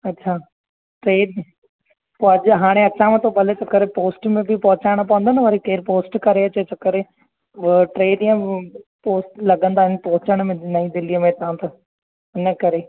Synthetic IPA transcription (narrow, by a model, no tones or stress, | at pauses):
ɐtːʃʰaː | ʈɾeːɖ | poɐd͡ʒɦaːɽ̃ẽɐt͡ʃʰãmẽt̪obɐlet͡ʃɐkːəɾepoːsʈmẽbʱɪpɐɦʊt͡ɕaːɽ̃p̬ɐʋə̃nd̪aːnəʋaɾikeːɾpoːsʈkɐɾeɐt͡ɕet͡ʃɐkːəɾe | ʈɾeːɖɪjə̃poːsʈlɐɡə̃nd̪aːɦɪnpoːʊt͡ɕəɽ̃mẽnɐĩd̪ɪlijəmẽt̪ɐãt̪ɐ | nɐkɐɾeː